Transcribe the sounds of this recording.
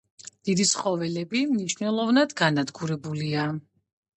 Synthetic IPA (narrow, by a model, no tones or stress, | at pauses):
d̪̥id̪isχɔvɛlɛbimniʃnɛlˠɔvnad̪ɡanad̪ɡuɾɛbulia